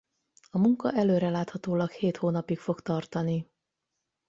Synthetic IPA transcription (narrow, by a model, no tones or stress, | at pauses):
ɒmuŋkɒʔɛløːɾɛlaːt̪hɒt̪oːlɒkheːt̪hoːnɒpikfo̞kt̪ɒrt̪ɒni